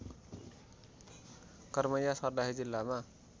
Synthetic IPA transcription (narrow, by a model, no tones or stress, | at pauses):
kʌrmʌjasʌrd̪aɦid͡zilːama